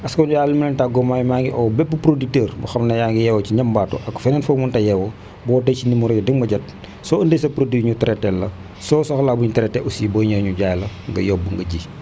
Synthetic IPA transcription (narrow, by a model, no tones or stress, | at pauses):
ɐskɔujaːlimilɛntaɡɔmajmaːŋɡiʔɔwbɛpːupɾodik̚tɛːɾbɐ̰xɐmnɐjaːŋɡijɛwɐciɲɐmbaːtɔ̰ʔɐkfɛnɛnfomuntɐjɛwɔ | bɔːtɛcinimuɾɛɐdiŋmɐɟɐt̚ | sɔəndesɐpɾodiɲutɐɾɛtɛlːɐ | sɔːsɔxlaːbuɲutɐɾɛtɛʔusibɔɲɐɲuɟaːjlɐŋɡɐ̰jɔbːuŋɡɐɟiː